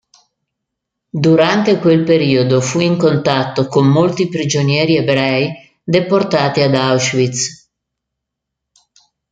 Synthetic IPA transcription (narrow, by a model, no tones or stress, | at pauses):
d̪uɾant̪ekwelpeɾiːod̪ofuiŋkont̪at̪ːokomːolt̪ipɾid͡ʒonjɛːɾiebɾɛj | d̪eport̪aːt̪iad̪awʃvit̪s